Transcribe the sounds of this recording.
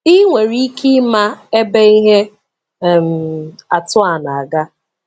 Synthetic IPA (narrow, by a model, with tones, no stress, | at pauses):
i˦ŋʷe˨ɾi˦ki˦ma˦e˦be˦i˦ɦe˦˨ | m̩˨a˨tʊ˦a˨na˨a˨ɡa˦